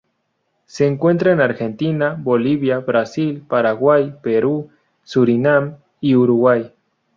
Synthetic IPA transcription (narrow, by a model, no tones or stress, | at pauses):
seːŋkwe̞nt̪ɾaenaɾxent̪inaboliβjaβɾasilpaɾaɣwajpeɾu | suɾinam | iuɾuɣwaj